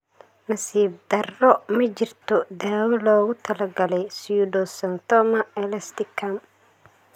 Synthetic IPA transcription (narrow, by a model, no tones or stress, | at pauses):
nɐsiːb̚d̪ɐrːɔmɐt͡ʃɪrt̪ʰɔd̪aːwɐlɔːɣʊt̪ʰɐlɐɡɐlɛjsjudɔsɐnt̪ʰɔmɐɛlɐst̪ɪkʰɐm